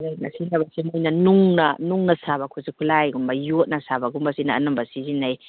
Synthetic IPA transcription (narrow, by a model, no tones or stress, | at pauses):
ajna̰sinabasimɔjnanuŋna̰nuŋnasaβakʰusikʰulajɡumbajut̚nasabaɡumbasinaːnɔmbasizinaj